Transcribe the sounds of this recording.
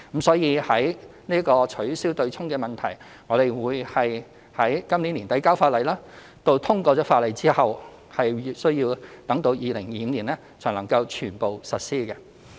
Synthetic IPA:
m̩˨˥sɔː˨˥jiː˨˧hɐ˨˥jniː˥kɔː˧t͡ʃʰɵ˨˥ɥsiː˥wt̪ɵ˧ɥt͡sʰʊ˥ŋkɛː˧mɐ˨nt̪ʰɐ˨˩j | ŋɔː˨˧ɾe˨jwuː˨˧jhɐ˨j | hɐ˨˥jkɐ˥mnliː˨˥nliː˨˩nt̪ɐ˨˥jkaː˥wfaː˧t̚lɐ˨˩jlaː˥ | t̪o˧wt̪ʰʊ˥ŋkɔː˧t͡sɔː˨˥faː˧t̚lɐ˨˩jt͡siː˥hɐ˨w | hɐ˨jsɵ˥ɥjiː˧wt̪ɐ˨˥ŋt̪o˨˥wjiː˨˧lɪ˨˩ŋjiː˨˧liː˨˩nlɛː˥ | t͡sʰɔː˨˩ŋlɐ˨˩ŋkɐ˧wt͡ʃʰyː˨˩npo˨wsɐ˨t̚siː˥kɛ˧

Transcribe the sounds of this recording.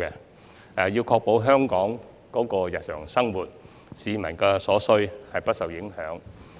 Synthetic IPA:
kɛ˧ | ɛ˨jiː˧wkʰɔː˧k̚po˨˥wɦœː˥ŋkɔː˨˥ŋ | kɔː˨˥kɔː˧jɐ˨t̚sœ̰ː˨˩ŋsɐ˥ŋwuː˨t̚ | siː˨˧mɐ̰˨˩nkɛː˧sɔː˨˥sɵ˧ɥhɐ˨jpɐ˥t̚sɐ˨˩wjɪ˨˥ŋhœː˨˥ŋ

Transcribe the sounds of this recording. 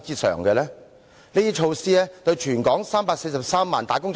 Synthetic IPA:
t͡siː˥sœ̰ː˨˩ŋɡɛ˧lɛː˥ | liː˥t̪iː˥t͡ʃʰo˧wsiː˥ɛː˥t̪ɵ˧ɥt͡ʃʰyː˨˩nkɔː˨˥ŋsaː˥mpaː˧k̚se˧jsɐ˨p̚saː˥mːaː˨˩nt̪aː˨˩kʊ˥ŋt͡ʃ

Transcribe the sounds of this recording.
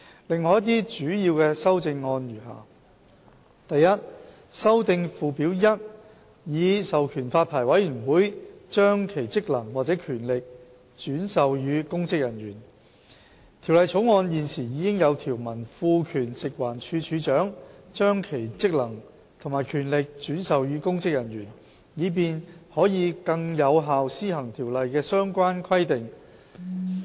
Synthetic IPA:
lɪ˨ŋːɔː˧jt̪iː˥t͡ʃyː˨˥jiː˧wkɛː˧sɐ˥wt͡sɪ˧ŋːɔː˧njyː˨˩ɦa̰ː˨˩ | t̪ɐ˨jɐ˥t̚ | sɐ˥wt̪ɪ˧ŋfuː˧piː˨˥wjɐ˥t̚ | jiː˨˧sɐ˨wkʰyː˨˩nfaː˧t̚pʰaː˨˩jwɐ˨˥jjyː˨˩nwuː˨˥jt͡ʃœː˥ŋkʰe˨˩jt͡sɪ˥k̚lɐ˨˩ŋwaː˨k̚t͡sɛː˨˥kʰyː˨˩nlɪ˨k̚ | t͡ʃyː˨˥nsɐ˨wjyː˨˧kʊ˥ŋt͡sɪ˥k̚jɐ˨˩njyː˨˩n | t̪ʰi˨˩wlɐ˨jt͡sʰo˨˥wŋɔː˧njiː˨˩nsiː˨˩jiː˨˧kɪ˥ŋjɐ˨˧wt̪ʰiː˨˩wmɐ˨˩nfuː˧kʰyː˨˩nsɪ˨k̚waː˨˩nt͡ʃʰyː˧t͡ʃʰyː˨˧t͡ʃœː˨˥ŋt͡ʃœː˥ŋkʰe˨˩jt͡sɪ˥k̚lɐ˨˩ŋ | t̪ʰo˨˩ŋmaː˨˩jkʰyː˨˩nlɪ˨k̚t͡ʃyː˨˥nsɐ˨˧wjyː˨˥kʊ˥ŋt͡sɪ˥k̚jɐ˨˩nɥyː˨˩n | jiː˨˧p̬iː˨˧nhɔː˨˥jiː˨˧kɐ˧ŋjɐ˨˧wɦaː˨wsiː˥hɐ˨˩ŋt̪ʰiː˨˩wlɐ˨jkɛː˧sœː˥ŋkʷaː˥nkʰɐ˥jt̪ɪ˨ŋ

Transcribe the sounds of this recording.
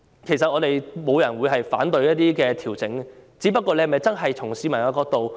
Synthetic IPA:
kʰe˨˩jsɐ˨t̚ʔɔː˨˧t̪e˨jmo˨˧wjɐ˨˩nwuː˨˧jɦɐ˨jfa̰ː˨˥nt̪ɵ˧ɥjɐ˥t̚t̪iː˥kɛː˧t̪ʰiː˨˩wt͡sɪ˨˥ŋt͡siː˨˥pɐ˥t̚kʷːɔː˧le˧jhɐ˨˩mɐ˨jt͡sɐ˥nɦɐ˨jt͡sʰʊ˨˩ŋsiː˨˧mɐ˨˩naː˨˧kɔː˧k̚t̪o˨w

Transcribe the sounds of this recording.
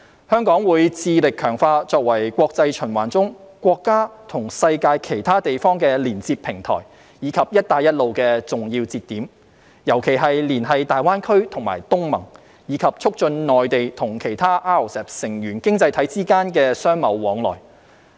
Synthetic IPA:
hœː˥ŋkɔː˨˥ŋwuː˨˧jt͡siː˧lɪ˨kʰœː˨˩ŋfaː˧t͡sɔː˧k̚wɐ˨˩jkʷwɔː˧k̚t͡sɐ˧jt͡ʃʰɵ˨˩nwa̰ː˨˩nt͡sʊ˥ŋkʷwɔː˧kːaː˥t̪ʰʊ˨˩ŋsɐ˧jkaː˧jkʰe˨˩jt̪ʰaː˥t̪e˨jfɔː˥ŋkɛː˧liː˨˩nt͡siː˧p̚pʰɪ˨˩ŋt̪ʰɔ̰ː˨˩j | jiː˨˧kʰɐ˨p̚jɐ˥t̚t̪aː˧jɐ˥t̚lo˨wkɛː˧t͡sʊ˨˩ŋji˧wt͡siː˧t̪ːiː˨˥m | jɐ˨˩wkʰe˨˩jɦɐ˨jliː˨˩nɦɐ˨jt̪aː˨jwaː˥nkʰɵ˥ɥt̪ʰʊ˨˩ŋma̰ː˨˩jt̪ʊ˥ŋmɐ̰˨˩ŋ | jiː˨˧kʰɐ˨p̚t͡sʰʊ˥k̚t͡ʃɵ˧nnɔː˨jt̪e˨jt̪ʰʊ˨˩ŋkʰe˨˩jt̪ʰaː˥ʔaː˥o˨˩sɛː˨p̚sɪ˨˩ŋjyː˨˩nkɪ˥ŋt͡sɐ˧jt̪ʰɐ˨˥jt͡siː˥kaː˥nkɛː˧sœː˥ŋmɐ˨˧wːɔː˨˧ŋlɔ̰ː˨˩j

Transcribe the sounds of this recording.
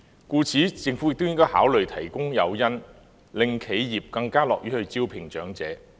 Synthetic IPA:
kuː˧t͡sʰiː˨˥t͡sɪ˧ŋfu˨˥jɪ˨k̚t̪ʊ˥wjɪ˥ŋkɔː˥ha̰ː˨˥wlɵ˨ɥt̪ʰɐ˨˩jkʊ˥ŋjɐ˨˧wjɐ˥n | lɪ˨ŋkʰe˨˥jjiː˨p̚kɐ˧ŋkaː˥lɔː˨k̚jyː˨˥hɵ˧ɥt͡siː˥wpʰɪ˨˩ŋt͡ʃœ̰ː˨˥ŋt͡sɛː˨˥

